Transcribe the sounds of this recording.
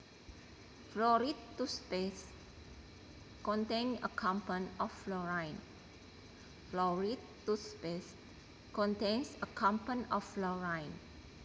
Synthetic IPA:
flɔɾitːuspes | kɔ̃nt̪ẽnə̰kʰãmpə̃nɔflɔɹãjn | flɔɹitː | uspes | kɔ̃nt̪ẽnsəkʰãmpə̃nɔflɔɹãjn

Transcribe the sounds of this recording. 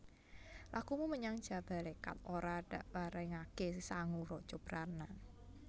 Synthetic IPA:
lakumuməɲaŋd̥ʒ̥a̤b̥a̤leka̰t̪̚oɾad̥aʔpaɾɛŋakesisaŋuɾɔ̥t͡ʃob̥ɾana

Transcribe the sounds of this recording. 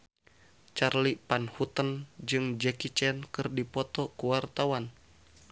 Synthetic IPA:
t͡ʃarlipanhut̪ənd͡ʒɨŋd͡ʒɛkit͡ʃɛnkɨrdipɔt̪ɔkuwart̪awan

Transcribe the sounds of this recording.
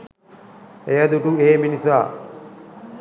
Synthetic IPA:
ejɐd̪uʈueːminisaː

